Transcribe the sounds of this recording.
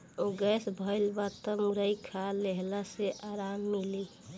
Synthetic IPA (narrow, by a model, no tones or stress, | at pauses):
oɡɛsbʱəɪlbat̪əmuɾəikʰaleɦlaseʔaɾamːili